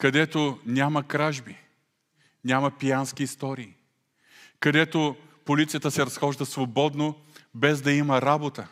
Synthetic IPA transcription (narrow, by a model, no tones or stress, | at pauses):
kɐd̪ɛt̪onʲamɐkɾaʒbi | nʲamɐpijansk̟iːst̪ɔɾiː | kɐd̪ɛt̪o | polit̪sijət̪əsɛɾɐsxɔʒd̪əsvobɔd̪no | bɛzd̪ɐimɐɾabot̪ə